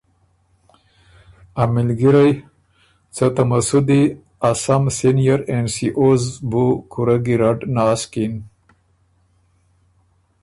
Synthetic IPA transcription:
amɪlɡiɾaj | t͡sət̪amasud̪i | asamsinijaɾensiʔozbukuɾaɡiɾaɖnaskin

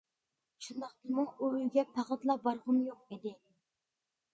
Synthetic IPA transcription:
ʃund̪ɑχt̪ɨmuŋøwyɡʲɛpʰæʁət̪lˠɑbɑɾʁəmjoq̚id̪ɪ

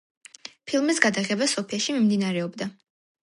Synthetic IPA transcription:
pʰilˠmisɡad̪aʁɛbasɔpʰiaʃimimd̪inaɾɛɔbd̪a

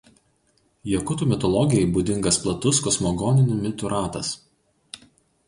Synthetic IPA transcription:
jɛkʊt̪uːˑmʲɪt̪ɔlˠɔɡʲɪjɛɪbud̪ʲɪŋɡɐsplˠɐt̪ʊskɔsmɔɡɔːnʲɪnʲʊmʲɪt̪ʊɾʔɑːt̪ɐs

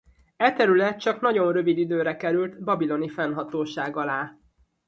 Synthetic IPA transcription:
ɛt̪ɛɾylɛt̪̚t͡ʃɒkn̪ɒɟo̞nrø̞vid̪id̪øːɾɛkɛɾylt̪bɒbilo̞nifɛnɦɒt̪oːʃaːɡɒlaː

